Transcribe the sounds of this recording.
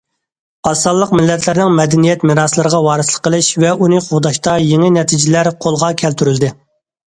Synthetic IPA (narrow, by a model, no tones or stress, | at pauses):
ɑsːɑlˠːəqmɪlːɛt̪ʰlɪɾnɪŋmɛd̪ɛnijɛt̪mɪɾɑslˠɨɾəʁɑwɑːɾɨslˠə̥qːəlˠɪʃvɛunɨqʰoʁd̪ɑʃt̪ɑjeŋɪnɛt̪ʰid͡ʒilæɾqʰolˠʁɑkʲʰɛlt̪ʰyɾyld̪ɪ